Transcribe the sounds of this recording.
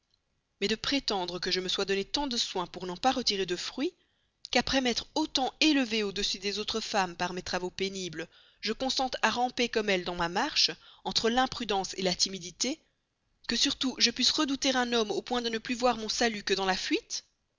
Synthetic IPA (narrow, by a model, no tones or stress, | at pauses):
mɛd̪əpχet̪ɑ̃d̪ʁəkəʒəməswad̪ɔnet̪ɑ̃d̪əswɛ̃puʁnɑ̃paʁət̪iʁed̪əfχɥi | kapχɛmɛt̪χot̪ɑ̃eləveod̪əsyd̪ɛzot̪χəfampaʁmɛt̪χavopenibl | ʒəkɔ̃sɑ̃t̪aʁɑ̃pekɔmɛld̪ɑ̃mamaʁʃɑ̃t̪χəlɛ̃pχyd̪ɑ̃selat̪imid̪it̪e | kəsyʁt̪uʒəpɥisʁəd̪ut̪eʁɛ̃nɔmopwɛ̃d̪ənəplyvwaʁmɔ̃salykəd̪ɑ̃lafɥit̪